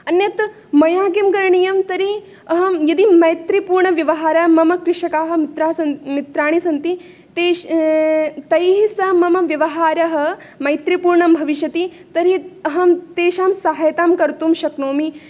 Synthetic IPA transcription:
ɐnjɐt̪ | mɐjaːɡimkɐɾɐɳijɐmt̪ɐɾi | ɐɦɐmjɐd̪imɐjt̪ɾipuːɾɳɐʋjɐʋɐɦaːɾɐmɐmɐkɾɪʃɐkaːɦɐ̆mit̪ɾaːsɐmit̪ɾaːɳisɐnt̪i | t̪eː | t̪ɐjɦisɐmɐmɐʋjɐʋɐɦaːɾɐɦɐ̆ | mɐjt̪ɾipuːɾɳɐmbʱɐʋiʃjɐt̪it̪ɐɾiɐɦɐmt̪eːʃaːmsaɦɐjɐt̪aːmkɐɾt̪umʃɐknoːmi

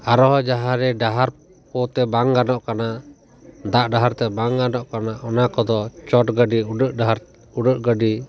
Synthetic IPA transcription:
aɾɔɦɔd͡ʒaɦãɾɛɖaɦaɾ | pɔt̪ɛbaŋɡanɔʔkana | d̪aʔɖaɦaɾt̪ɛbaŋɡanɔʔkanaʔɔnakɔd̪ɔt͡ʃɔʈɡəɖiuɖəʔɖaɦaɾ | uɖəʔɡəɖi

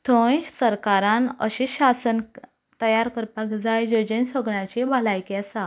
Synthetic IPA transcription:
t̪ʰõɕsəɾkaɾãnəɕiɕasən | t̪əjaɾkəɾpakd͡zajd͡ʑəd͡ʑensoɡɳjat͡ɕebʱalajkeasa

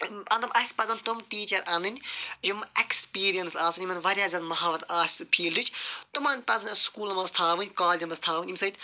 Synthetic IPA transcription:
ɐnd̪ɐmʔɐspɐzɐnt̪umʈiːt͡ʃɐɾʔɐnɨnʲjumekspiːɾijɐnsaːsunʲimɐnʲʋɐɾʲjaːzɐnmɐɦaːʋɐt̪aːsʲsɨpʰiːldɨt͡ʃʰt̪umɐːnʲpɐzɐnʲɐskuːlɐmɐst̪ʰaːʋɨnʲkaːld͡ʒɐmɐst̪ʰaːʋɨnʲimʲsɐjt̪

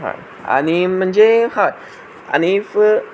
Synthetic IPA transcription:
a̰ | a̰nimə̃nd͡ʒeha | a̰nifə

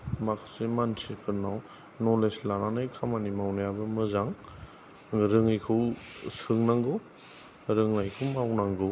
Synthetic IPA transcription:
makʰsimansipʰɯnːaw | nɔleslananajkʰamanimawnajabɯmɯzaŋ | ɾɯŋajkʰɯwsɯŋnaŋɡɔ | ɾɯŋnajkʰɯwmawnaŋɡɯ

